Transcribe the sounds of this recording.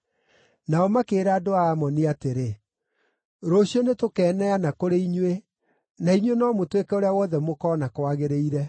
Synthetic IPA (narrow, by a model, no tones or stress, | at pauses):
naɔmakeːɾaːdoaːmɔniateɾe | ɾoɕiɔnetokɛːnɛanakoɾeiɲwe | naiɲwenɔmotwekɛoɾeawɔðɛmokɔːnakwaɣeɾeiɾɛ